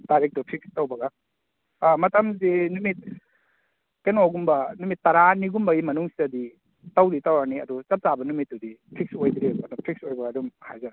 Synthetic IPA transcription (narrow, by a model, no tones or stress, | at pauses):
d̥aɾek̚tupʰik̚stawbɐɡa | mɐtɐmzinumit̚ | kenoɡumbɐnumitːɐɾaniɡumbɐimɐnuŋsidɐdi | tawditawɾaniɐ̰dut͡ʃɐp̚zabɐnumit̚dudipʰiksojd̪ɾemɐtapʰik̚sojbɐɡaːdumhajza